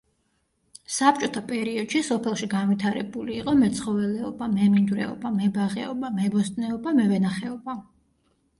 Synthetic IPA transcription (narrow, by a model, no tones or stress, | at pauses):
sap̚t͡ʃʼɔt̪ʰapʼɛɾiɔd̪̥ʃisɔpʰɛlˠʃiɡanvit̪ʰaɾɛ̰buliːqʼɔmɛt̪sʰχɔvɛlɛɔbamɛmind̪vɾɛ̰ɔ̰bamɛbaʁɛ̰ɔbamɛbɔst̪ʼnɛɔbamɛvɛnaχɛɔba